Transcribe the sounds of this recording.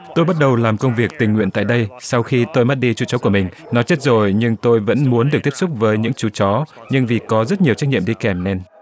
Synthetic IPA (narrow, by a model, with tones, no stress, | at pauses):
t̪o˧jɓa˦˥t̚ɗə˨˩wlaː˨˩mkə˧wŋ͡mvi˨˩ək̚t̪ï˨˩ŋ̟ŋwḭ˧ənt̪a̰˧˨jɗə˧jsa˧wxi˧t̪o˧jma˦˥t̚ɗi˧t͡ɕu˨˦t͡ɕɔ˨˦ku˧˩əmï˨˩ŋ̟ | nɔ˨˦jt͡ɕe˦˥t̚zo˨˩jɲɨ˧ŋt̪o˧jvə̰˧˥nmu˨˦ənɗɨ˨˩k̚t̪i˦˥sʊ˦˥k͡p̚vəː˨˦jɲɨ̰˧˥ŋt͡ɕu˨˦t͡ɕɔ˨˦ɲɨ˧ŋvi˨˩kɔ˨˦zə˦˥t̚ɲi˨˩əwt͡ɕa˦˥k̚ɲ̰i˧˨əmɗi˧kɛ˨˩mnɛ˧n